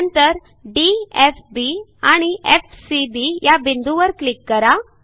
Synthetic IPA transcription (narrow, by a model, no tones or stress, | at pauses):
nt̪əɾ | ɖiefbiaɽ̃iʔefsiɖijabʱind̪ʱuʋəɾklikːəɾa